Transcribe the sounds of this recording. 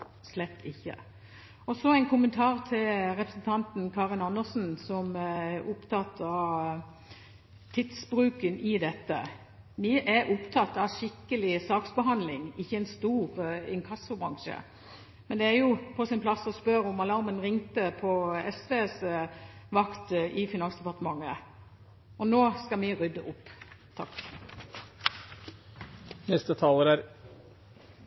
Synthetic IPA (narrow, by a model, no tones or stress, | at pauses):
slɛt̪ːɪçːə̰ | ɔsɔæɪnkʰʊmənt̪ʰɑːʁt̪ʰɪlʁɛpɾəsn̩t̪ʰɑnt̪n̩kʰɑːʁɪnɑnːəsn̩sɔmæɾʔʊpt̪ʰɑt̪ʰɑʋ | t̪ʰɪt̪sbɾʉːkənɪd̪ɛt̪ːə̰ | ʋɪʔæʔʊpt̪ʰɑt̪ːɑʋʃɪkːəlɪsɑːksbəɦɑnd̪lɪŋɪçːəɛɪnst̪uːʁɪnkʰɑsʊbʁɑŋʃə̰ | mɛnd̪ɛæɾjʊpʰɔsɪnpʰlɑsːɔspœɾɔmɑlɑɾmənʁɪŋt̪əpʰɔɛsʋeːs | ʋɑkt̪ʔɪfɪnɑnsd̪ɛpɑʁt̪əmɑŋːə | ɔnoːskɑmɪʁʏd̪ːəʔʊpːt̪ʰɑ̰kː | nɛst̪ət̪ʰɑːləɾæɾ